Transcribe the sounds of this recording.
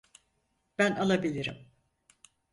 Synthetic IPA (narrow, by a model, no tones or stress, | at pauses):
b̥ænalˠabilʲiɾḭm